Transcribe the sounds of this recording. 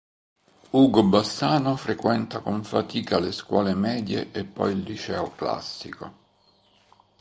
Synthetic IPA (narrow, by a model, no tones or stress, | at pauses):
uːɡobasaːnofɾekwɛnt̪akoɱfat̪iːkaleskwɔːlemɛːd̪jḛʔepːɔ̰jild̪it͡ʃɛːokla̰sːiko̰